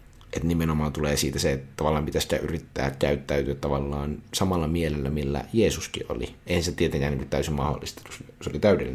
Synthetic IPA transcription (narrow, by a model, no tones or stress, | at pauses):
ʔet̪nimenomɑːnt̪uleːsiːt̪æset̪ɑʋɑlːˑɑːmpit̪æsi̥t̪æ̰ʔyrit̪ːæ̰ːkæyt̪ːæyt̪yæt̪t̪ɑʋɑlːɑːnsɑmɑlːɑmielelːæmilːæ̰jeːsuskḭʔo̰lḭeˑihænsitæt̪iet̪ẽŋkˑænːiːŋkut̪æysimmɑho̰lːˑist̪ɑ̥t̪us | seolit̪æˑydḛlːin